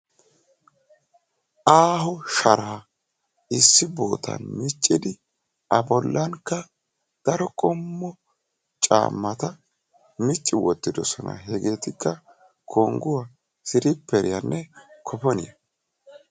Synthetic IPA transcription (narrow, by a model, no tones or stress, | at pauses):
ʔaːɦɔʃɐɾaː | ɪsːɪbo̞ːt̪ɐ̰nmɪt͡ʃʼːɪd̪ɪ | ʔɐbɔlːɐnkːɐ | d̪̥ɐɾɔkʼɔmːɔ | t͡ʃʼa̰ːmːɐt̪ɐ | mɪt͡ʃʼːɪwɔt̪ːɪd̪ɔsɔnɐ̰ɦɛɡe̞ːt̪ɪkːɐ | kʰoːŋɡʊwa | sɪɾɪpːɛɾɪjɐnːɛkʰɔpɔnɪjɐ